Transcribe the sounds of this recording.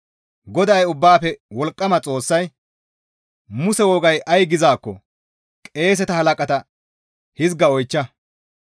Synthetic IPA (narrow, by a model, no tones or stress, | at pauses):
ɡɔd̪ɐjʊbːaːpɛwɔlkʼːɐmɐt͡sʼo̞ːsːɐj | mʊsɛwɔːɡɐjʔɐjɡɪzaːkːɔ̰ | kʼe̞ːs̬ɛt̪ɐhɐlɐkʼɐt̪ɐ | hɪzɡɐɔjt͡ʃːɐ